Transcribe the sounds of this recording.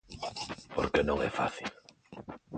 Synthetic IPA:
poɾkenõŋɛ̰fa̰θil

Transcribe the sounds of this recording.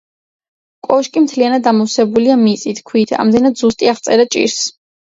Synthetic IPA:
kʼɔʃkʼimt̪ʰlianad̪̚ːamɔsɛbuliamit̪sʼit̪ʰkʰwit̪ʰa̰md̪ɛnad̪zust̪ʼiaχt̪sʼɛɾat͡ʃʼḭɾs

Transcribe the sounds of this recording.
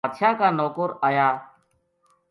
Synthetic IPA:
t̪ʃaːkaːnoːkoːɾaːjaː

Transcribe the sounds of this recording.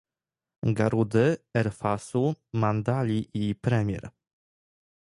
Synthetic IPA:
ɡaɾud̪ɘɛɾfasumand̪alʲiʔipɾɛmʲjɛ̰ɾ

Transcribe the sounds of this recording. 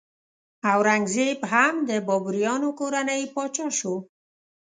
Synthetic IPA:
awɾaŋɡzebɦamd̪əbɔbuɾjɑnokoɾanəjpɑt͡ʃɑʃo

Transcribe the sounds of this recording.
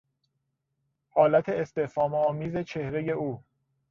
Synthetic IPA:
hɒːlæt̪ʰe̞ːst̪e̞fɒːmeɒːmiːze̞t͡ʃʰe̞hɾeje̞uː

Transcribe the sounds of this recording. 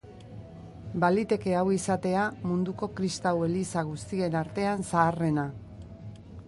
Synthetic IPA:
balit̪e̞ke̞awisat̪e̞amund̪uko̞kɾist̪awe̞lisaɣust̪ie̞naɾt̪e̞ansaːre̞na

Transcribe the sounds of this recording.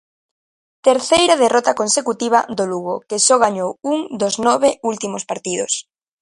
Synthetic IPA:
t̪eɾθejɾað̞erɔt̪akonsekut̪iβ̞ad̪oluɣ̞okesɔɣ̞aɲowuŋd̪oznɔβeult̪imospaɾt̪iðos

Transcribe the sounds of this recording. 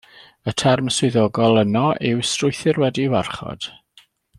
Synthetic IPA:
ətʰɛrməswɪðɔɡɔlˠənɔʔɪwstrʊjθɪrwɛdiwarχɔ̰d̥

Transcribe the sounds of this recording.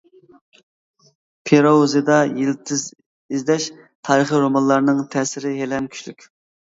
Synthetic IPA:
pʰeɾɑuzid̪ɑjilt̪ʰɪz | izd̪ɛʃ | t̪ʰɑːɾɨχiɾomɑnlˠɑɾnɨŋt̪ʰɛːsɪɾɪɦelɛmkʲʰy̥t͡ʃlykʲ

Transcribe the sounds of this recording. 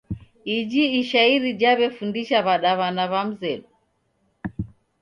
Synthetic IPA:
id͡ʒiːʃaiɾid͡ʒaβɛfundiʃaβaɗaβanaβam̩zɛɗu

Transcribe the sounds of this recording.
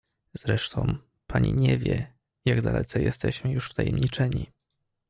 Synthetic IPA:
z̥ɾɛʂt̪ʰɔ̃w̃ | pʰaɲiɲevʲjɛ | jaɡd̪alʔɛt̪sɛjɛst̪ɛɕmɘjuʂft̪ajɛmɲit͡ʂɛɲi

